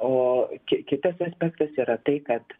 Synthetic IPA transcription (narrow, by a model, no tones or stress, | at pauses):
oːkʲɪkʲɪt̪ɐsɐːsʲpʲɛkt̪ɐsiːɾɐt̪ɐɪkɐt̪